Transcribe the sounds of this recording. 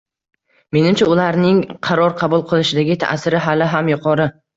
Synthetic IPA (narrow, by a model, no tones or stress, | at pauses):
me̞nɪmt͡ʃʰaʊlaɾnɪŋqʰɑɾɒɾqʰɑbʊlˠqʰɨlˠɪʃɪd̪aɡʲɪt̪ʰa̰sɪɾɪɦalɪɦamjʊqʰɒɾɪ